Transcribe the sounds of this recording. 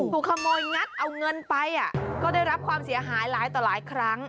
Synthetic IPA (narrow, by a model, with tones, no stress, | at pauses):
puː˨˩kʰa˧mɔː˧jɲa˦˥t̪̚ʔa˧wŋɤ˧npa˧jʔa˨˩kɔː˥˩daː˥˩jɾa˦˥p̚kʰwaː˧msi˨˩˦ɐɦaː˩˦jlaː˩˦jt̪ɔː˨˩laː˨˩˦jkʰɾa˦˥ŋ